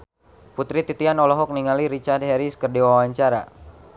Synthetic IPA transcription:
put̪ɾit̪it̪ianɔlɔɦɔk̚niŋaliɾit͡ʃard̪hɛɾiskərdiwawaɲt͡ʃaɾa̰

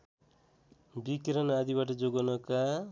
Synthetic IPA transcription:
bikɾɔnad̪ibaʈ̬ʌd͡ʒoɡɔnɔka

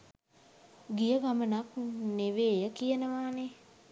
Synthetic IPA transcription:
ɡijəɡamənak̚neʋeːjəkijənəʋaːne

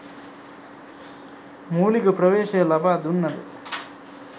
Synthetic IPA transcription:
muːlikɐpɾɐʋeːʃɐɐlɐbʱaːd̪unːɐd̪ḛ

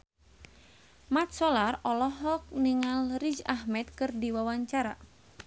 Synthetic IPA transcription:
mat̪̚sɔlarɔlɔɦɔk̚niŋalrid͡ʒahmɛt̪̚kɨrdiwawaɲt͡ʃaɾa

